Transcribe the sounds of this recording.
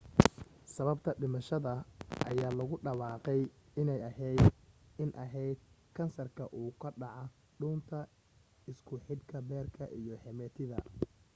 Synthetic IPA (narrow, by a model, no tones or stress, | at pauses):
sɐβɐbt̪ʰɐɖɪmɐʃɐðɐʔɐjaːlɐɣʊɖɐwɑːqɛjɪnɛjɐɦɛjd̪ɪnʔɐɦɛjd̪̚ | kʰɐnsɐrkʰɐʔuːkʰɐɖɑʕɔ | ɖuːnt̪ʰɐ | ɪskʰʊħɪd̪kʰɐbɛːrkʰɐʔijɞhɛmɛt̪ʰɪðɐ